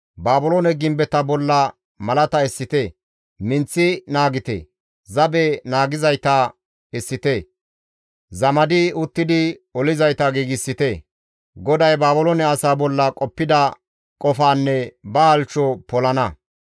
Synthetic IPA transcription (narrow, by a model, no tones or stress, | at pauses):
baːbʊlonɛɡɪmbɛt̪ɐbɔlːɐ | mɐlɐt̪ɐɛsːɪt̪e | mɪnt͡sːɪnaːɡɪt̪ḛ | zɐbɛnaːɡɪzɐjt̪ɐ | ɛsːɪt̪e | zɐmɐd̪ɪʊt̪ːɪd̪ɪɔlɪzɐjt̪ɐɡiːɡɪsːɪt̪ɛ | ɡɔd̪ɐjbaːbʊlonɛɐsaːbɔlːɐkʼɔpːɪd̪ɐ | kʼɔfaːnːɛbɐhɐlt͡ʃːɔpɔlɐnɐ